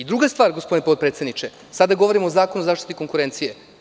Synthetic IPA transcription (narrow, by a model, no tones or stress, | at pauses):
id̪ɾuɡast̪vʋaːɾɡospo̞d̪inpot̪̚pɾet̪sed̪nit͡ʃe | sad̪aɡoʋo̞ɾimoːzaːkonuzaːʃt̪i̥t̪iko̞ŋkuɾent̪sije